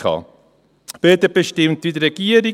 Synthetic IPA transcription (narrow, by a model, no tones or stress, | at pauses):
ɑ̰ː | b̥øːt̪əb̥eʃtɪmtʋidəɾɛɡiːəɾi